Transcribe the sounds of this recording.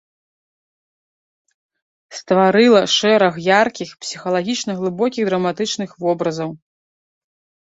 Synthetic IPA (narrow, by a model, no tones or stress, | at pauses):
st̪vaɾɨlˠɐʂɛɾɐxjarkʲixpsʲixɐlˠaɣʲit͡ʂnɐɣlˠɨbɔkʲiɣd̪ɾɐmat̪ɨt͡ʂnɨxvɔbɾɐzɐw